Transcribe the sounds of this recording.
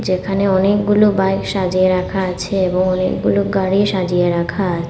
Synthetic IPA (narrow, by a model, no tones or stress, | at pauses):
d͡ʑekʰaneɔnek̚ɡulubajkʃad͡ʑieɾakʰaat͡ɕʰeeboŋɔnḛk̚ɡuluɡaɽiʃad͡ʑieɾakʰaat͡ɕʰ